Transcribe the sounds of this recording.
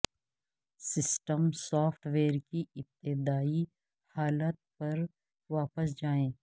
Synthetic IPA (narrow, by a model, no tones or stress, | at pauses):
sɪsʈəmsɔːfʰʈʰʋeːɾkiɪp̚t̪ɪd̪aːi | haːlət̪̚pɐɾ | ʋaːpəsd͡ʒaːẽː